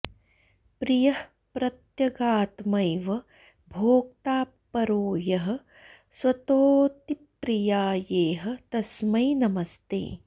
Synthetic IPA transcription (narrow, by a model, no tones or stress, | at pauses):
pɾijɐh | pɾɐt̪jɐɡaːt̪mɐjʋɐ | bʱoːk̚t̪aː | pːɐɾoːjɐɦɐ̆ | sʋɐt̪oːt̪ipɾijaːjeːɦɐ̆t̪ɐsmɐjnɐmɐst̪ḛː